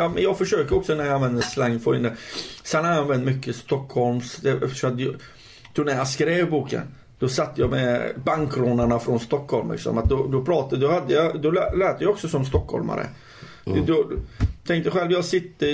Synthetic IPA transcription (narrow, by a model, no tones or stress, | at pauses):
jɑːmɛnjɑːɡfœʂøːkəɾɔksɔnæɾjaanvɛnd̪əslaŋːfɔɾɪnd̪əsɛnhajanvɛnd̪mʏkːəst̪ɔkʰːhɔlmsd̪ɛsɔt̪ | t̪ʰɾuːnæɾjɑskɾeːvbuːkə̰n | d̪̥ɔsat̪ːəjɑmɛbaŋkɾɔnaɳafɾɔnst̪ɔkʰːhɔlmlɪ̰ksɔ̰mat̪̚d̪ɔd̪ɔpʰɾɑːt̪ad̪ɔhad̪ːəjɑd̪ɔlɛlɛːt̪ːəjɑɔksɔsɔmst̪ɔkhɔ̰lma̰ɾə̰ | d̪ɔt̪ʰɛŋkt̪əɧɛlvjɑːɡsɪt̪ːə